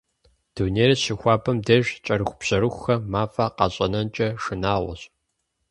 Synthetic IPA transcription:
d̥uneːɾɐɕɪxʷɑːpʰʼɐmdɐʒt͡ʃʼɐɾɨxʷbɕɐɾɨxʷxɐmaːfɐqɑ̰ɕʼɐnɐnt͡ʃʼɐʂɨnaːʁʷɐ̰ɕʼ

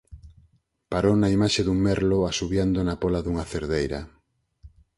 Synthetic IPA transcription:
paɾonaimaʃeðuŋmɛɾloasuβjand̪onapɔlaðuŋaθeɾðejɾɐ̰

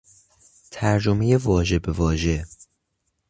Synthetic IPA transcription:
t̪ʰæɾd͡ʒome̞je̞vɒːʒe̞bevɒːʒe̞

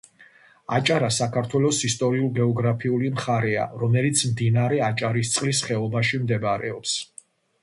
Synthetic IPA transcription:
at͡ʃʼaɾasakʰaɾt̪ʰwɛlɔsist̪ʼɔɾiulˠɡɛɔɡɾapʰiulimχaɾɛa̰ɾɔmɛlit̪sʰmd̪inaɾɛat͡ʃʼaɾist̪sʼlisχɛɔbaʃimd̪ɛbɾɛ̰ɔps

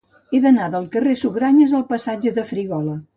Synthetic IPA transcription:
eðənaðəlˠkəresuβɾaɲəzəlˠpəsad͡ʒəðəfɾiɣɔlə

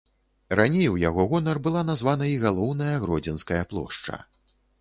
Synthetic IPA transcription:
ranʲejwjaɣɔɣɔnɐrbɨlˠanazvanɐiɣalˠɔwnɐjɐɣɾɔd͡zʲɛnskɐjɐplˠɔ̰ʂt͡ʂɐ̰

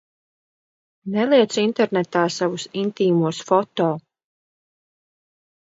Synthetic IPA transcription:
nɛlˠiɛt̪sint̪ɛɾnɛt̪aːsavusint̪iːmuɔsfɔt̪ɔː

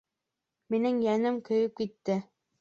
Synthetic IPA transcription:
minɘŋjænɘmkɵ̆jɵp̚kit̪ːɘ

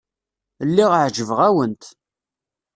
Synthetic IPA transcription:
lːiʁəʕʒəvʁæwənt̪

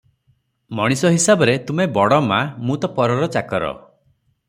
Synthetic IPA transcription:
mɔɽ̃isɔɦisabɔɾet̪umebɔɽɔmamũt̪ɔpɔɾɔɾɔt͡ʃakɔɾɔ̰

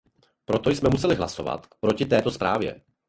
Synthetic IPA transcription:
pɾo̞t̪o̞jsmɛmusɛlɪɦlaso̞̰va̰t̪pɾo̞cɪt̪ɛːt̪o̞spɾa̰ːvjɛ̰

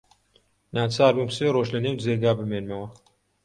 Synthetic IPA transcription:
naːt͡saːɾbumseːroːʒlɐnewd͡zeːɡaːbɨmeːnmɐwɐ

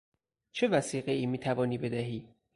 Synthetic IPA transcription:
t͡ʃʰe̞væsiːɣeʔiːmiːt̪ʰævɒːniːbe̞d̪æɦiː

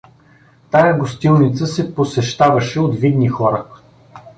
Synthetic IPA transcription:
t̪ajɐɡost̪ilˠnit̪səsɛposɛʃt̪avɐʃɛod̪vid̪nixɔɾə

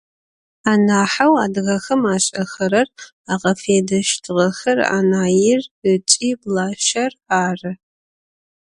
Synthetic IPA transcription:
aːnaːħawaːdɣɐxɐmaːɕʼɐxɐɾɐr | aːqɐfeːdɐʃtʰɨʁɐxɐra̰ːnaːjɪrət͡ʃʼiːblaːʃɐraːrɨ

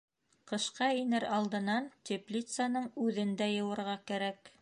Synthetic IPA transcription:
qɤ̆ʃqɑinɘɾɑlˠd̪ɤ̆nɑnt̪ʲeplʲit̪sanɤɴʉðɘ̆nd̪æjɤ̆wɤ̆ɾʁɑkæɾæk

